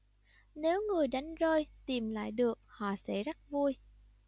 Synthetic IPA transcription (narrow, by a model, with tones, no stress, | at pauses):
ne˨˦wŋɨ˨˩əjɗa˨˦jŋ̟zəː˧jt̪i˨˩mla̰ː˧˨jɗɨ˨˩ək̚hɔ̰˧˨sɛ̰˧˥za˦˥t̚vu˧əj